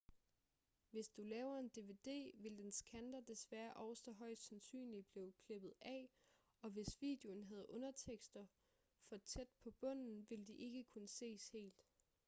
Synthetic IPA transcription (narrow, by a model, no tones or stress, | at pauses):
ʋe̝sd̥ulɛːʊɐe̝nd̥e̝ʋe̝d̥e̝̰ːʋe̝ld̥ensɡ̥ʰænd̥ɐd̥e̝sʋæːɐʔɒʊsɒ̽ɦɒ̽ɪ̰sd̥sænsy̰ːnlib̥le̝ʊkʰle̝b̥ð̞̩ˠɛ̰ | ɒ̽ʋe̝sʋḭːd̥e̝o̝n̩ɦæð̞ˠʔɔ̽nɐt͡sʰeɡ̥sd̥ɐ | fɒ̽t͡sʰed̥̚pʰɒ̽b̥ɔ̽n̰n̩ʋe̝ld̥iʔe̝ɡ̥əkʰunəse̝̰ːshe̝̰ːld̥